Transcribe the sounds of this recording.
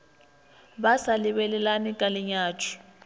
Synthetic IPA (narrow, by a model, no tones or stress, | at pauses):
ɓasaliβɛlɛlanikʼaliɲaːt͡ʃʰi̥